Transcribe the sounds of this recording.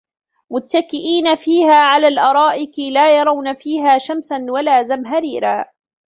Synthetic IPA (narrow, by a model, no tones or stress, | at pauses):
mʊt̪ːakɪʔiːnafiːhaːʕalaːlʔɑɾˤɑːʔɪkɪlaːjɑɾˤɑwnafiːɦaːʃamsanwalaːzamɦaɾiːɾaː